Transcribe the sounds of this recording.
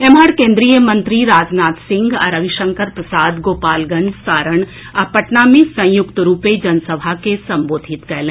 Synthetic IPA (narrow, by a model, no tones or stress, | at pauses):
eːmaːɽkẽːnd̪ɾijəmɐ̃nt̪ɾiɾaːd͡ʒnaːt̪sɪ̃ŋɡa̰ːɾɐʋɪʃə̃ŋkəɾpɾɐsaːd̪ɡoːpaːlɡɐ̃nd͡ʒsaːɾəɳ | apɐʈnamẽsɐ̃j̃jʊkt̪ɾuːped͡ʒɐnsəbʱakesɐ̃mboːd̪ʱɪt̪kɐlẽ